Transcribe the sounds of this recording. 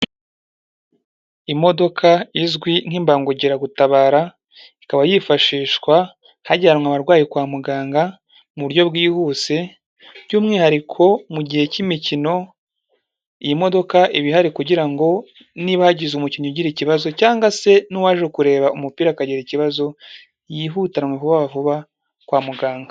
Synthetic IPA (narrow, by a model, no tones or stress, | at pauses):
imo̞do̞kʰaizɡwiŋ̥imbaŋɡuɟiɾaɡutaβaːɾa | ikaβajifaʃiːʃkwa | haɟaːɾmŋaβaɾɡwaːjikwaːmuɡaːŋɡa | muβuɾjo̞bɡiːhuse̞ | ɟuːmŋiːhaɾikʰo̞muɟihe̞cimicino̞ | ijimo̞do̞kaʔiβiɦaɾikuɟiɾaŋɡo̞ | niβahaɟizumucinoɟiɾiciβazo̞caːŋɡase̞nuwaːʒekuɾe̞ːβaumupiːɾakaɟiɾiciβazo̞ | jiɦuːtanŋwevuβaβavuβa | kwaːmuɡaːŋɡa